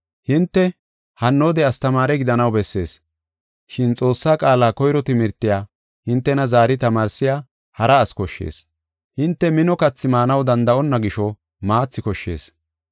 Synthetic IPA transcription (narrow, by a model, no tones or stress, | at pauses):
hɪnt̪ːɛ | hɐnːoːd̪ɛɐst̪ɐmaːɾɛɡɪd̪ɐnɐwbɛsːe̞̰ːs | ʃɪnt͡sʼo̞ːsːaːkʼaːlaːkɔjɾɔt̪ɪmɪɾt̪ːɪjaː | hɪnt̪ːɛnɐzaːɾɪt̪ɐmaːɾsɪjaː | hɐɾɐːskɔʃːḛːs | hɪnt̪ːɛmɪnɔkɐt͡sːɪmaːnɐwd̪ɐnd̪ɐʔɔnːɐɡɪʃɔ | maːt͡sːɪkɔʃːe̞̰ːs